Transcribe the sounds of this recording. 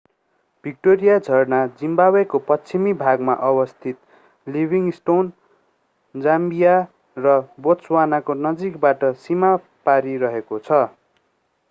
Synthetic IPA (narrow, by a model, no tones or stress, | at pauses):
b̥ʱik̚ʈoɾijad͡zʱʌrnad͡zimbabekopʌt͡sʰimibʱaɡmaʔʌbʌst̪ʰit̪ | libʱiŋsʈon | d͡zambija | rʌbot͡swanakonʌd͡zikbaʈʌsima | paɾiɾʌɦekot͡sʰʌ